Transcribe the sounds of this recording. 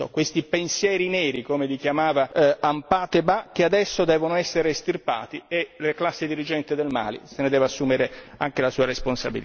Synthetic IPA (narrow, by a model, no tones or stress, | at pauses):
o̰kwest̪ipensjɛːɾinɛːɾikomelik̟jamaːvaampaːt̪ebak̟ead̪ɛsːod̪ɛːvonoɛsːeɾest̪irpa̰ːt̪ieleklasːed̪iɾid͡ʒɛnt̪ed̪elma̰ːlḭsened̪ɛːvasːuːmeɾeaŋk̟elasuːaɾesponsabili